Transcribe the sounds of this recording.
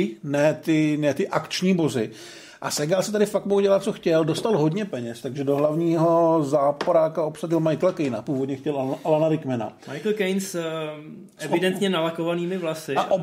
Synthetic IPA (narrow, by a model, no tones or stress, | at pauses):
ɪnɛt̪ɪnɛt̪ɪʔakt͡ʃɲiːbo̞zɪ | ʔa̰sɛɡalsɛt̪adɪfak̚moɦuɟɛlat̪̚t͡so̞xcɛldost̪alɦo̞dɲɛpɛɲɛst̪aɡʒɛdo̞ɦlavɲiːɦo̞zaːpoɾaːkao̞psaɟɪlmajklakɛjnapuːvodɲɛxcɛlaʔalanaɾɪkmɛna̰majkl̩kɛjns | ʔɛvɪdɛnt̪ɲɛnalakovaniːmɪvlasɪaʔo